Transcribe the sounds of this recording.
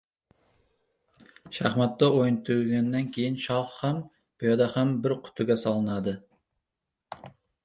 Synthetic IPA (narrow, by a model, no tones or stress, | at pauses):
ʃæχmæt̪ːɑʔojnt̪ʰuɡʲɛnːɛnkʲʰejinʃɑχχɛm | pojɑd̪ɛχɛmbɪɾqʰʊ̥t̪ʰʊɡʲɛsɑlˠɨnɑd̪ɨ